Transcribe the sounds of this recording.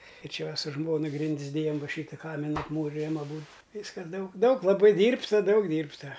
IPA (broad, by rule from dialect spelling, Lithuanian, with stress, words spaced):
ɪr ˈt͡ʃʲɛ ˈʋɐ sʊ ˈʒmoːnɐ ˈɡrʲɪnʲdʲɪs ˈdʲeːjɛm ˈʋɐ ˈʃʲiːtɐ ˈkɑːmʲɪnɐ ɐpˈmuːrʲɪjɛm ɐˈbuːt ˈʋʲiːskɐs ˈdɐʊk ˈdɐʊk lˠɐˈbɐɪ ˈdʲiːrptɐ ˈdɐʊk ˈdʲiːrptɐ